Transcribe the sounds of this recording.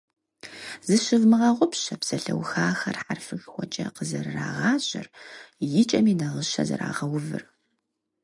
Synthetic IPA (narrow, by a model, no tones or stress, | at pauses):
zɨʃɨvmɨʁɐʁʷʊpɕɐbsɐɬɐwxaːxɐrħarfɨxxʷɔt͡ʃʼɐqəzɐrra̰ːʁɑːɕʼɪrjɪt͡ʃʼɐmiːnɐʁəʃɐzɨ̰ɾa̰ːʁɐwʊvɨ̰r